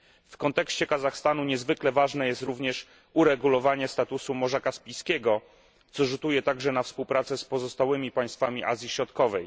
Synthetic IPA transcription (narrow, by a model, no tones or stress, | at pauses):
fkɔnt̪ɛkɕt͡ɕɛkazaxst̪anuɲɛzvɘklɛvaʐnɛjɛst̪ɾuvɲɛʂ | uɾɛɡulɔvaɲɛst̪at̪usumɔʐakaspʲijskʲɛɡɔ | t̪sɔʐut̪ujɛt̪aɡʐɛnafspuwpɾat̪sɛspɔzɔst̪awɘmʲipaj̃st̪famʲiʔa̰zʲjiɕɾɔt̪kɔvɛj